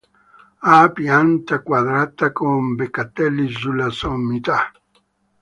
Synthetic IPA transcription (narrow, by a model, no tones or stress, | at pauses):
apiant̪akwaðɾat̪akombekat̪eliʒulasomit̪a